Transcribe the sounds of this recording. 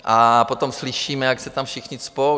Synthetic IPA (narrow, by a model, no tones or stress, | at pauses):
ʔapot̪omslɪʃiːmɛjaksɛt̪amfʃɪxɲɪspo